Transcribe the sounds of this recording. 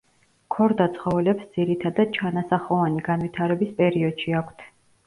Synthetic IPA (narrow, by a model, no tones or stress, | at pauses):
kʰɔɾd̪at̪sʰχɔvɛlɛpsd̪z̥iɾit̪ʰad̪ad̪̥̚t͡ʃʰanasaχɔvaniɡanvit̪ʰaɾɛbispʼɛɾiɔd̪̥ʃiakʷʰt̪ʰ